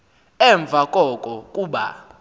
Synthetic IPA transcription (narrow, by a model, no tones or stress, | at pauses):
ɛɱb̪vʱakʼɔkʼɔkʼuːɓa̰